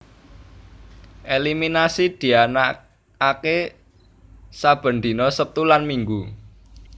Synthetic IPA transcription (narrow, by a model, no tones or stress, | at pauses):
ʔeliminasid̪̥i̤ana | ake | sab̥ə̤nd̪̥i̤nɔsəp̚t̪ulanmiŋɡu